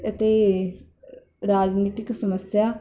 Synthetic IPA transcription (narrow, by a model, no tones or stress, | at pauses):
ət̪eː | ɾaːd͡ʒniːt̪ɪksəməsjaː